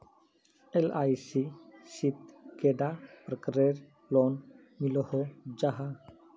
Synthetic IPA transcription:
elajsisit̪keɖapɾəkɾeɾ | lon | milɔhod͡ʒaɦa

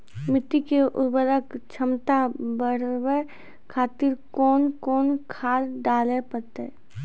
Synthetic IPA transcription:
mɪt̪ːikeʔʊɾbəɾəkt͡ʃʰəmt̪abəɽwe | kʰaːt̪ɪɾkɔːnkɔːnkʰaːɾɖaːlepət̪e

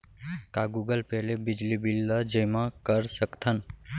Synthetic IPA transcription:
kaɡuɡəlpɛɦlebɪd͡ʒlibilːəd͡ʒəjmãkəɾsəkt̪ʰən

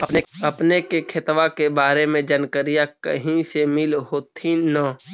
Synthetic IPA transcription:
ɐpnekekʰɪt̪ʋakebaːɾemẽd͡ʒənkəɾijakə̰ɦĩsemɪlɦoːt̪ʰinaː

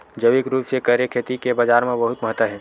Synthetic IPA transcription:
d͡ʒəʋɪkɾuːpsekəɾjekʰeːt̪ikebaːd͡ʒaːɾmẽbəɦʊt̪məɦət̪ːəɦɛː

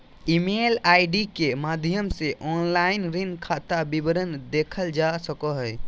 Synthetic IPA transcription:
imeːlaːɪɖikemaːd̪ʱjəmseʔɔːnlaɪnɾɪnkʰat̪abibəɾənd̪eːkʰəld͡ʒasəkəɦɛ

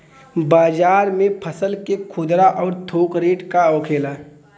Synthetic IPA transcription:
baːd͡ʒaːɾmẽpʰəsəlkekʰʊd̪ɾaʔɔːɾt̪ʰoːkɾeːʈkaɔːkʰeːlaː

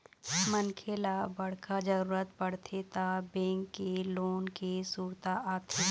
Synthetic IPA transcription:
mənkʰeːlabɐɽ̤kad͡ʒəɾuːɾət̪pəɽt̪ʰet̪abɛ̃ːŋkːeloːnkesuːɾt̪aʔaːt̪ʰe

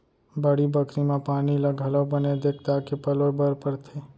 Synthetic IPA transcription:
bəɽibəkɾimẽpaːniləɡʱələbəned̪eːk̚t̪akepəlobəɾpəɽt̪ʰe

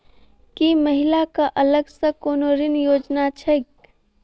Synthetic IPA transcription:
kiməɦɪlakaʔɐləɡsəkoːnoːɾɪnjoːd͡ʒnat͡ʃʰɛk

